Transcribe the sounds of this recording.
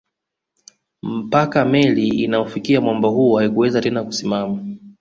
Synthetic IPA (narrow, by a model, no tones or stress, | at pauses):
m̩pakamɛliːnaɔfikiamwambɔɦuɔhaikuwɛzatɛnakusimama